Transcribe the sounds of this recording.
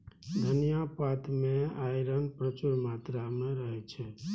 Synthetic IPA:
d̪ʱənijapat̪meajɾənpɾət͡ʃuɾmat̪ɾameɾəɦɛt͡ʃʰɛ

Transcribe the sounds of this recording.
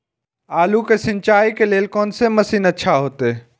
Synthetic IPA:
aːlukesɪnt͡ʃaːikeleːlkoːnseməsiːnətːʃʰaɦoːt̪eː

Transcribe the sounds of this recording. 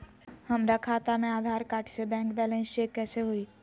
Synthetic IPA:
həmɾakʰaːt̪amẽaːd̪ʱaːɾkaːʈʰsebɛ̃ːŋkbɛːlẽnsekːɛːseɦuiː

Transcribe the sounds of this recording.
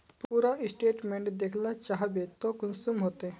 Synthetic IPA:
puɾaɪsʈeːʈmẽɳʈd̪ekʰlat͡ʃaɦbet̪okʊnsumɦoːt̪e

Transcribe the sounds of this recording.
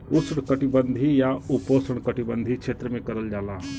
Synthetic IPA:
usɽkəʈibənd̪ʱijauposəɽ̃kəʈibənd̪ʱikʃʰeːt̪ɾəmẽkəɾəld͡ʒaːlaː

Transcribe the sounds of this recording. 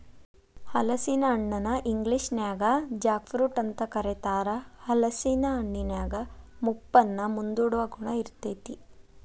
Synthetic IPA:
hɐlɐsinɐːɳːɐnɐʔiŋɡliʂnjaːɡɐd͡ʒaːkfɾuːʈɐnt̪ɐkɐɾet̪aːɾɐhɐlɐsinɐɐɳːinjaːɡɐmupːɐnːɐmund̪uːɽuʋɐɡuɳɐiɾt̪eːt̪i

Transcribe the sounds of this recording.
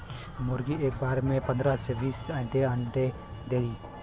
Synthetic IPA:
mʊɾɡieːk̚baːɾmẽpə̃nd̪ɾasʰeʋiːsãnd̪eə̃nʈe | d̪ei

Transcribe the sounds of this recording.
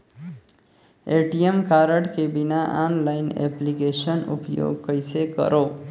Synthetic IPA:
eʈijemkaɾəʈkebinaʔanlaɪnḛplikesənṵpjo̰ɡkəɪsekə̰ɾo

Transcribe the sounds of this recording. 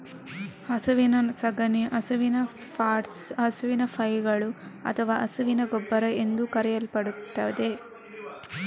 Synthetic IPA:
ɐsɐʋinɐsɐɡɐniʔɐsɐʋinɐ | paːʈsɐsɐʋinɐpʰɐjɡɐɭuɐ̰t̪ʰɐʋaːʔɐsɐʋinɐɡobːɐɾɐe̞nd̪ukɐɾɛjɐlpɐɽut̪ːaːd̪e

